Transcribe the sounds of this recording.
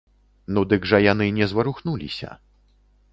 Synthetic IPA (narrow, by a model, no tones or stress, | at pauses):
nud̪ɨɡʐɐjanɨnʲɛzvɐɾuxnulʲḭsʲɐ̰